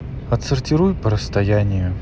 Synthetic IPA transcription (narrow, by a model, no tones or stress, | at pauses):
ɐt̪sərtʲɪɾujpəɾəst̪ɐjanʲɪjʊ